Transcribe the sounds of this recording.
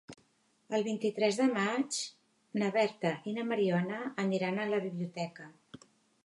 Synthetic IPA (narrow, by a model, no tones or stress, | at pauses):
əlˠβint̪it̪ɾɛzðəmat͡ʃ | nəβɛɾt̪əʔinəməɾiɔnəːniɾanələβiβliut̪ɛkə